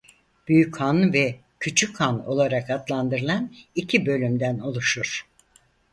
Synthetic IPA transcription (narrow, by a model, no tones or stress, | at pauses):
b̥yjychanvɛcʰyt͡ʃʰykhano̞̰lˠaɾakat̪lˠand̪ɯɾɯlˠanicʰibø̞lʲymd̪æno̞lˠuʃuɾ̥